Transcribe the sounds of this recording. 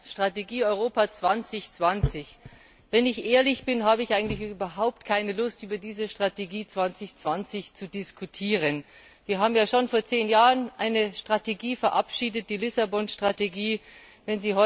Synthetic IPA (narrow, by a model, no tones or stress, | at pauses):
ʃtʁ̥ateɡiːɔʏʁ̞oːpat͡sv̥ant͡sɪçt͡sv̥ant͡sɪç | vɛnɪçʔeːɐlɪçb̥ɪnɦaːbəɪçʔaɪɡŋ̩tlɪçʔyːbɐɦaʊptkʰaɪnəlʊstʔyːbɐdiːzəʃtʁ̥ateɡiːt͡sv̥ant͡sɪçt͡sv̥ant͡sɪçt͡sudɪskʰutʰiːʁən | viːɐɦaːbm̩jaːʃonfoːɐt͡seːnjaːʁənʔaɪnəʃtʁ̥ateɡiːfɛɐʔapʃiːdət̚d̥iːlɪsabɔnʃtʁ̥ateɡiː | vɛnziːɦɔ